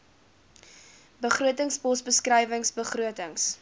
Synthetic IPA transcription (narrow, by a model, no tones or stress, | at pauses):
bəχruətəŋsbɔsbəskrəjvəŋsbəχruətəŋs